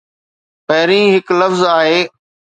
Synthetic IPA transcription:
pɐɦɪɾĩːɦɪklɐfzaːɦeː

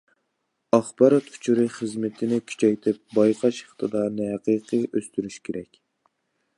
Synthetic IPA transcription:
ɑχbɑɾɑt̪u̥t͡ʃʰuɾɨχəzmɪt̪ʰɪnɪkʲʰy̥t͡ʃʰɛjt̪ʰɪp̚bɑjqʰɑʃe̥χt̪ʰɨd̪ɑɾnɨɦɛqɨqʰɨʔøst̪yɾyʃkʲʰeɾɛkʲ

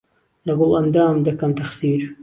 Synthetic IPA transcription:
lɐɡolɐnd̪aːmd̪ɐkɐmt̪ɐxsiːɾ

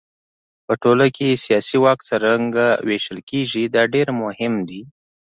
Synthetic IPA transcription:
pəʈoləkesijɑsiwɑkt͡səɾaŋɡaweʃəlkeʒid̪ɑɖeɾmʊhɪmd̪i

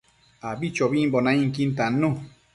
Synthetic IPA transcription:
abit͡ʃɔbibɔnãĩŋk̬in̩tanõ

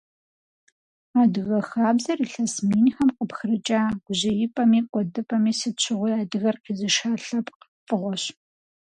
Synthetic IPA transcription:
aːdɨɣɐxaːbzɐriːɬɐsmiːnxɐmqʼəpxrɨt͡ʃʼaːɡ̥ʷʊʑɪjɪpʼɐmiːkʷʼɔdɨpʼɐmiːsɨt͡ʃʰɨʁʷʊjaːdɨɣɐrqizɨʃaːɬɐpʰʼq | fʼɨʁʷɔɕ

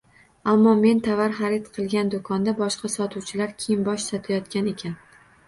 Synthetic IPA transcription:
amːɒme̞nt̪ʰavaɾχaɾet̪qʰɨlˠɡʲand̪okʰɒnd̪abɒʃqʰɑsɒt̪ʰuwt͡ʃʰɪlaɾkʲʰejɪmbɒʃsɒt̪ʰajɒt̪̚kʲane̞kʲʰan

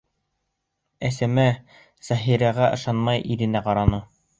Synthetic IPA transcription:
æsæmæ | z̥æɦiɾæʁæʔɤ̆ʃɑnmɑjʔiɾɘ̆næqɑɾɑnɤ

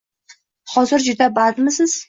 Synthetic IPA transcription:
hɒzɪɾd͡ʒʊd̪abad̪mɪsɪz̥

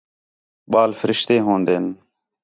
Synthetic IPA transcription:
ɓaːlfəɾɪʃt̪eːɦõːnd̪eːn

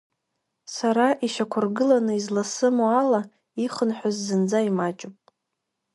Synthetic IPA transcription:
saɾaʔiʃakʷʰʊrɡɨlanɨizlasɨmoala | iχənħʷᶣazːɨnd͡zaimat͡ʃʼopʼ

